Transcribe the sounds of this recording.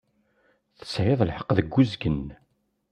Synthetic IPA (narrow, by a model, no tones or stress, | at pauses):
θə̥sʕɪðˤlħəqːðəɡːuzɡən